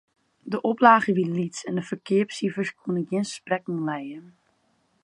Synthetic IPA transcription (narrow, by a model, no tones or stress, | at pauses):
dəʔoplaːɣəʋilitsɛndəfərkʰɪəpsifəskʰunəɡjiənsprɛknlɛjən